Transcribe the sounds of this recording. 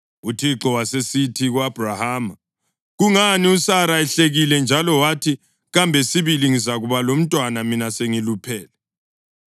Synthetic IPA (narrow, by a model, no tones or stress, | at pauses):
utʰiǁɔwasesitʰiɣwab̥ʱrahaːma | ɣuŋaniusaɾaɛɬeɣilɛnd͡ʒʱalɔwatʰi | ɣambʱɛsiβiliŋizaɣuβalom̩tʼwanaminaseŋilupʰɛːlɛ